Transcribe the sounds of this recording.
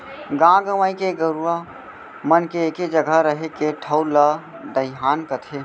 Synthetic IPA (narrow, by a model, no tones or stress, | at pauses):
ɡãɡəʋaikeɡəɾua | mənkeːked͡ʒəɡʱəɾəɦekeʈʰəwlə | d̪əɪɦaːnkət̪ʰe